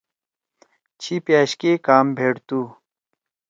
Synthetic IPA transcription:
t͡ɕʰipjaːɕkekaːmbʱeːɽt̪uː

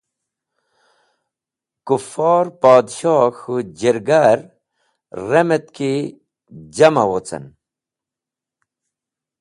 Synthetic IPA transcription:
kufɑːɾpaːd̪ɕoːxud͡ʑeɾɡaɾ | ɾemet̪ki | d͡ʑɐmɐwot͡sɐ̰n

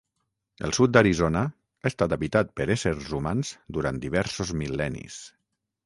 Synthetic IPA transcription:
ə̰lˠsut̪̚d̪əɾizonə | aest̪at̪əβit̪at̪̚pəɾesəɾzumanz̥d̪uɾa̰nt̪d̪iβ̞ɛɾsozmilɛnḭs

